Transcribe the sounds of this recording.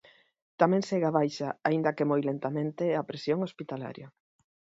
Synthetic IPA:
t̪amɛ̃ŋseɣaβajʃaaĩnd̪ɐkemojlent̪amẽnt̪eapɾesjoŋospit̪ala̰ɾjɐ

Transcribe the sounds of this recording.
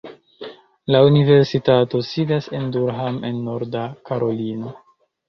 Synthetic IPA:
launive̞ɾsitato̞sidase̞nduɾɦamʔḛnːo̞ɾdakaɾo̞lino

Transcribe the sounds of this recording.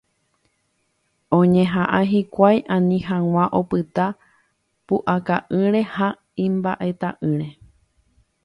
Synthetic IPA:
õ̞ɲẽɦãʔaɦikʷajʔãnĩɦãw̃ãʔo̞pɨt̪a | puʔakaʔɨ̃ɾe̞ha | ĩmba̰ʔe̞t̪aʔɨ̃ɾe̞

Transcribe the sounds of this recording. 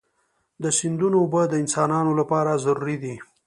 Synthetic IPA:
d̪əsɪnd̪unoːbəd̪əɪnsɑnɑnolapɑɾazaɾuɾid̪i

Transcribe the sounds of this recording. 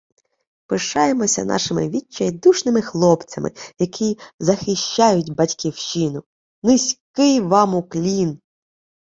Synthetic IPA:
pɪʃɑjemɔsʲɐ̰nɑ̰ʃɪmɪ̰ʋʲit͡ʃːɐjd̪uʃnɪmɪxlˠɔpt͡sʲɐmʔɪ̰jɐkʰizɐxɪʃt͡ʃɑjʊtʲbɐtʲkʲiwʃinʊ | nɪsʲkɪjʋɑmʊklʲin

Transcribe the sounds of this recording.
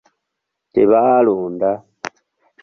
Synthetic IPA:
tiβaluːnda

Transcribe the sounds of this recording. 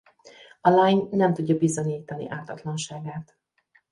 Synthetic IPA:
ɒlajɲnɛmt̪uɟːɒbizoɲiːt̪ɒnḭʔaːt̪ɒt̪lɒnʃaːɡaːt̪

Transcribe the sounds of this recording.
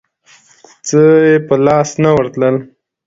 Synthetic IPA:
t͡səjepəlɑsnawəɾt̪ləl

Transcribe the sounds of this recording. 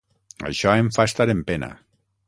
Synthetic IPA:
a̰ʃɔeɱfaest̪aɾempena̰

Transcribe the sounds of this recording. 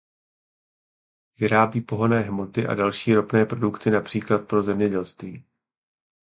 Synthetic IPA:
vɪɾaːbiːpo̞ɦonɛːɦmo̞t̪ɪʔa̰dalʃiːɾo̞pnɛːpɾo̞dukt̪ɪnapr̥iːklat̪̚pɾo̞zɛmɲɛɟɛlst̪viː

